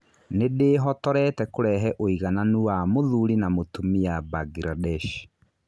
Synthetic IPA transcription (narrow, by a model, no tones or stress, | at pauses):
nedeɦɔtɔɾɛtɛkoɾɛɦɛʔoiɣananuwamoðuɾinamotumiabaɡiɾadɛʃ